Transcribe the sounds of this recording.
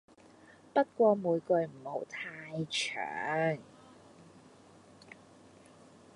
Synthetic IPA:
pɐ˥t̚kʷɔː˧muː˨˧jkɵ˧ɥm̩˨˩ho˨˧wt̪ʰaː˧jt͡ʃʰœ̰ː˨ŋ

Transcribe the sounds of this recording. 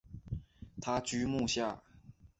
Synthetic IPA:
t̪ʰa˥t͡ɕy˥mu˥˧ɕja˥˩

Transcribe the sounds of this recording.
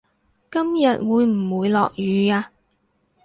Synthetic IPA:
kɐ˥mjɐ˨t̚wuː˨˧jm̩˨˩wuː˨˧jlɔ̰ː˨k̚jyː˨˧jaː˧

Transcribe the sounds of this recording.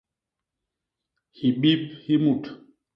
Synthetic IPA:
hi˨ɓi˦p̚hi˦mu˦˨t

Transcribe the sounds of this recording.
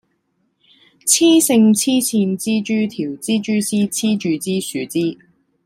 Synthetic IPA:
t͡sʰiː˥sɪ˧ŋt͡sʰiː˥t͡sʰiː˧nt͡siː˥t͡ʃyː˥t̪ʰiː˨˩wt͡siː˥t͡ʃyː˥t͡siː˥t͡sʰiː˥t͡ʃyː˨˧t͡siː˥syː˨˧t͡siː˥

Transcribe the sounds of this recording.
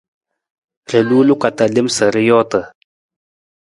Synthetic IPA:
ɾə˨lu˦lu˦ka˨t̪a˨lɪ˦msə˨ɾi˦jɔ˦t̪ə˨

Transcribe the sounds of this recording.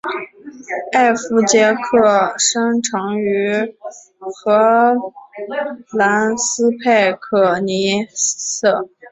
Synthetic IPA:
a˥˩ɪfu˧˥t͡ɕjɛ˧˥kʰɤ˥˩ʂɤ˥ŋʈ͡ʂʰɑ˧˥ŋy˧˥ | xɤ˧˥ | la˧˥nsɹ̩˥pʰe˥˩ɪkʰɤ˨˩ni˧˥sɤ˥˩

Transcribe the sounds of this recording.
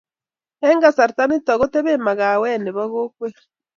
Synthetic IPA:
e˦ŋɡa˦sa˨ɾi˨ta˦ni˦tɔ˨ɣo˦te˦βe˦ma˨ɣa˨wɛ˦˨ne˨βa˦ɣo˦kwe˦

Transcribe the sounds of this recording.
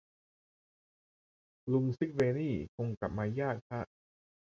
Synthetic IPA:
lu˧ŋsi˦˥k̚weː˧niː˥˩kʰo˧ŋka̰˨˩p̚maː˧jaː˥˩k̚tʰa˦˥ʔ

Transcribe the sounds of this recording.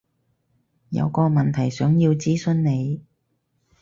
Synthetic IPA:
jɐ̰˨˧wkɔː˧mɐ˨nt̪ʰɐ˨˩jsœː˨˥ŋjiː˧wt͡siː˥sɵ˧nne˨˧j

